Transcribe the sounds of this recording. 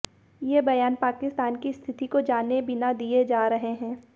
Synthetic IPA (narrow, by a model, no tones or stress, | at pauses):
jebɐjaːnpaːkɪst̪aːnkist̪ʰɪt̪ikod͡ʒaːnebɪnad̪ied͡ʒaːɾɐɦeɦɛ̃ː